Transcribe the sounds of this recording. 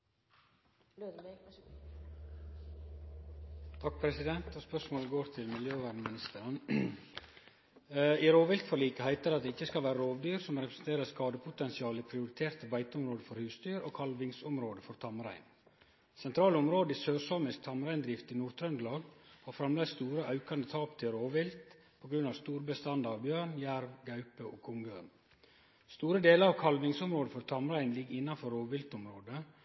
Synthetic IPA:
t̪ʰɑk̚pʰɾɛsɪd̪ɛnt̪ɔspœʂmoːləɡoːɾt̪ʰɪlmɪljøːʋæɳəmɪnɪst̪əɾən | iːɾoːʋɪlkfɔɾliːkəhæɪt̪əɾɑt̪̚d̪eːɪçːəskɑlʋæːɾəɾoːʋd̪yːɾsɔmɾɛpɾəsn̩t̪ʰeːɾəskɑːd̪əpʰʊt̪ɛnsɪɑːləipʰɾɪʊɾɪt̪ʰeːɾt̪əbæɪt̪əʊɔmɾoːd̪əfɔɾhʉːsd̪yːɾo̰ːkʰɑlʋɪŋsɔmɾoːd̪əfɔɾt̪ʰɑmɾæ̰ɪn | sɛnt̪ʰɾɑːləʊmɾoːd̪əiːsøːɾsɔmɪsk̚t̪ʰɑmɾæɪnd̪ɾɪft̪iːnuːɾt̪ʰɾœnd̪lɑːɡhɑːɾfɾɑmleːst̪uːɾəʔɑʉkɑnd̪ət̪ʰɑːpt̪ʰɪlɾoːʋɪlt̪ | pʰoːɡɾʉnːɑʋst̪uːɾbəst̪ɑnd̪ɑʋbjøːɳjæɾʋɡɑʉpəʔoːkʰʊŋɡøːn | st̪uːɾəd̪eːləɾɑʋkʰɑlʋɪŋsʊmɾoːd̪əfɔɾt̪ʰɑmɾæɪnlɪɡɪnːɑnfɔɾoːʋɪlt̪ʊmɾoːd̪ə

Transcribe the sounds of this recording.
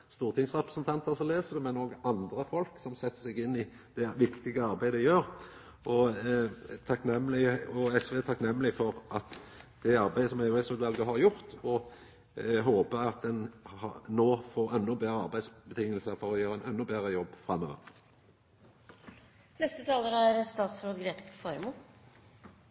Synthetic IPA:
st̪uːʁt̪ʰɪŋsʁɛpəsnt̪ʰɑnt̪əʁsɔleːsəd̪ɛmɛnoːɡəʔɑnd̪ʁəfɔlksɔmsɛt̪ːə̥sɛɡɪnːɪ | d̪̥ɛʋɪkt̪ɪɡəɑɾbæɪd̪əjøːɾ | ʔɔ | t̪ʰɑknɛmːlɪəɔɛsʋeːt̪ʰɑknɛmːlɪfɔʁʔɑt̪d̪̥ɛɑɾbæɪəsɔmæɛsʉːd̪ʋɑlɡəɦɑɾjʊʁt̪ɔ | ɦoːpəɾɑt̪̚d̪ɛnhɑnoːfoːɾɛnːʊbeːɾəɑʁbæɪsbət̪ʰɪŋːəlsəfɔɾɔjøːɾəænɛnːʊbeʁəjɔbːfɾɑmːø̰ːʋə̰ɾ | nɛst̪ət̪ʰɑːləɾæɾst̪ɑːt̪sfɾuːɡɾeːt̪ɪ̥skfɔɾmuː

